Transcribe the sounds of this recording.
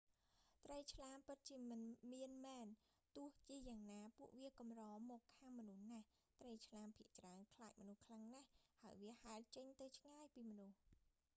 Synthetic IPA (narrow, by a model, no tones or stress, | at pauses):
t̪rəjt͡ɕʰlaːmpɨt̪̚t͡ɕiəmɨnmiənmɛːn | t̪ʊ̆əht͡ɕiəjaːŋnaːpuəʔʋiəkɑmrɑːmɔːkʰːaːŋmɔnuhnah | t̪rəjt͡ɕʰlaːmpʰiəʔt͡ɕraənkʰlaːc̚mɔnuhkʰlaŋnahhaəjʋiəhaɛlt͡ɕəɲt̪ɨwt͡ɕʰŋaːjpiːmɔnuh